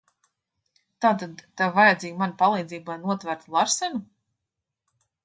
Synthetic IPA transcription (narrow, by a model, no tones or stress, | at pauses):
t̪aːt̪ad̪t̪avajad̪zʲiːɡmanapalˠiːd̪ziːbanuɔt̪væɾt̪ulˠaɾsɛnu